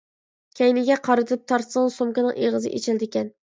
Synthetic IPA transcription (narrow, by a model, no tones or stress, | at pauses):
kʲʰɛjnɪɡʲɛqʰɑɾɨt̪ʰɨp̚t̪ʰɑɾsəŋsomkʲɪnɨŋʔeʁəzɨ̰ʔḛt͡ʃʰɛld̪ɪkʲɛn